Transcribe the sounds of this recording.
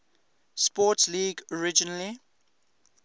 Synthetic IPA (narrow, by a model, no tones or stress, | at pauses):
spɔtsliːɡɔɹɪd͡ʒənəli